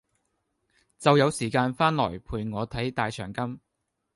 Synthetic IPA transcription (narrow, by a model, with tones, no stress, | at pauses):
t͡sɐ˨wjɐ˨˧wsiː˨˩kaː˧nfaː˥nlɔː˨˩jpʰuː˨jŋɔː˨˧t̪ʰɐ˨˥jt̪aː˨jt͡ʃʰœ̰ː˨˩ŋkɐ˥m